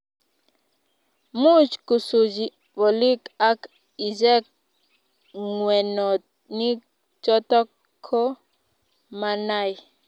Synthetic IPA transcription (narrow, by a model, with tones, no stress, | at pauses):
mu˦t͡ʃku˨su˨d͡ʒi˨ | vɔ˨li˦ka˦k | i˨zɛ˦k̚ | ŋwɛ˨nɔ˨ | ni˦ | t͡ʃɔ˦tɔ˦k | kʰːɔ˦ | ma˨na˦˨j